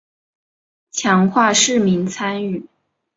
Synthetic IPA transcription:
t͡ɕʰjɑ˧˥ŋxwa˥˧ʂɻ̩˥˩mi˧˥nt͡sʰa˥ny˥˩

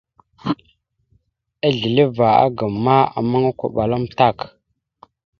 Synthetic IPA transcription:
a˦ɮi˨li˦va˨a̰˦ɡə˨mːa˦a̰˨ma˦ŋa˦kʷa̰˨ɓa˨la˦mta˦˨k

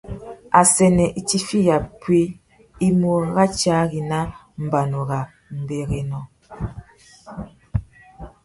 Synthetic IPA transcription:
a˨sɛ˨nɛ˨ʔi˨ti˦fi˦ja˨pwi˦ | i˦mo˦ɣa˦t͡ʃa˦ɣi˨na˦ | m̩˨ba˨no˨ɣa˨ | m̩˨be˨ɣe˨nɔ˨

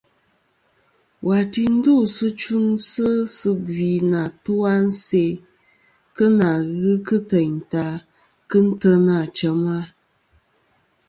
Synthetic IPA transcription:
wa˨ti˨n̩˦du˦˨sɨ˦t͡ʃu˦ŋsɨ˦sɨ˦bi˨na˨tu˦a˦n̩˦se˦ | kɨ˦na˨ɣɨ˦kɨ˦tə˨ɲ̩˨ta˨˦ | kɨ˦n̩˦tə˦na˨t͡ʃə˨ma˦

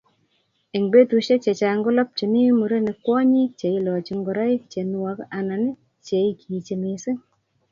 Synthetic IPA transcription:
e˨ŋbe˦tu˨ʃe˦t͡ʃe˨t͡ʃa˨ŋɡʊ˦lɔ˦p̚t͡ʃi˨ni˦mu˨ɾe˦ne˨kwɔ˦ɲi˦t͡ʃe˨i˦lɔ˨t͡ʃi˨ŋɡɔ˨ɾa˦i˦k̚t͡ʃe˨n˦wa˦ka˨na˨nɪ˦ | t͡ʃe˨i˦kʰi˨t͡ʃe˨mi˨sɪ˦ŋ

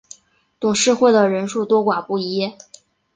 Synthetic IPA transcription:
t̪ʊ˨˩ŋʂɻ̩˥˧xwe˥˩ɪd̪ə˩ɻə˧˥nʂu˥˩t̪wɔ˥kwa˨˩pu˥˩i˧˥jɛ˥˩

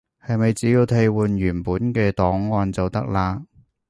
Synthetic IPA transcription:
hɐ˨jmɐ˨jt͡siː˨˥jiː˧wt̪ʰe˧jwuː˨njyː˨˩npuː˨˥nkɛː˧t̪ɔː˨˥ŋːɔː˨˧nt͡sɐ˨wt̪ɐ̰˥k̚laː˧

